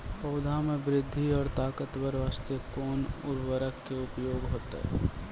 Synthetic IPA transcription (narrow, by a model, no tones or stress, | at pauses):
pɐʊd̪ʱamẽbɾɪd̪ʱːiɔːɾt̪aːkət̪ʋəɾʋaːst̪əkɔːnʊ̰ɾwəɾəkːeʊpjoːɡɦoːt̪ɦɛ̰